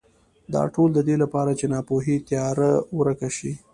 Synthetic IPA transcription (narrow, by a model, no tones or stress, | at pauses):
d̪ɑ̰ʈold̪əd̪elapɑɾat͡ʃenɑpoɦit̪jɑɾawɾəkaʃi